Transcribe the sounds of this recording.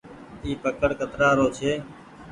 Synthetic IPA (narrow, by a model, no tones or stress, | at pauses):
iːpəkəɽkət̪ɾaːɾoːt͡ʃʰeː